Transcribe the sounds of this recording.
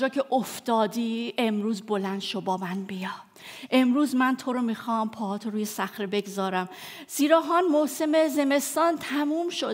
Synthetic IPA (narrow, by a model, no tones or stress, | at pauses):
d͡ʒɒːcʰeʔoft̪ɒːd̪iːemɾuːzbo̞lænd̪ʃobɒːmænbejɒ | ʔe̞mɾuːzmænt̪ʰoɾomixɒmpʰɒːhɒːt̪ʰoɾuːjesæxɾebe̞ɡzɒːɾæm | z̥iːɾɒːɦɒːnmose̞meze̞me̞st̪ɒːnt̪ʰæmuːmʃod̪